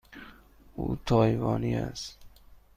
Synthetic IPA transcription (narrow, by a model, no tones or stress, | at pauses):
uːt̪ʰɒːjvɒːniæs